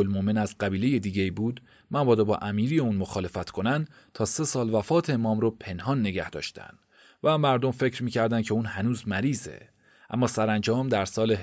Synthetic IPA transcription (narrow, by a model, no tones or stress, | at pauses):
olmomenæzɢæbiːleje̞d̪iːɟe̞iːbuːd̪ | mænbɒːd̪ɔbɒ̰ːʔæmiːɾijeuːnmoxɒːle̞fæt̪kʰo̞næn | t̪ʰɒːse̞sɒːlvæfɒːt̪ʰeemɒːmɾopʰe̞nhɒːnːe̞ɟæhd̪ɒ̰ːʃt̪ʰæ̰nd̥̪ | væmæɾd̪omfe̞cɾmiːcʰæɾd̪ænkcʰe̞uːnhænuːzmæɾiːze̞̰ | ʔæ̰mːɒːsæɾænd͡ʒɒːmd̪æɾsɒːle